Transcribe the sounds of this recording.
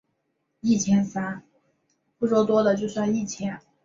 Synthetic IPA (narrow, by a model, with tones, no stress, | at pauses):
i˥˩t͡ɕʰjɛ˥nsa˥n | pu˥˩ʂwɔ˥t̪wɔ˥d̪ə˨t͡ɕjo˥˧ʊswa˥˧i˥˩t͡ɕʰjɛ˥n